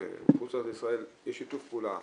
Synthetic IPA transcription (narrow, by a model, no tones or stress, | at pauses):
ḛχut͡sad̪isʁaeljeʃit̪ufpula̰